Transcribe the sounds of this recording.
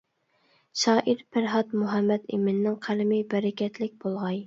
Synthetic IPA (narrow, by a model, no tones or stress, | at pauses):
ʃɑːʔiɾpʰæɾɦɑt̪muɦɛmːɛd̪ḛmɪnːɪŋqʰælɪmɪbɛɾɛkʲɛt̪lɪk̚ʲbolˠʁɑj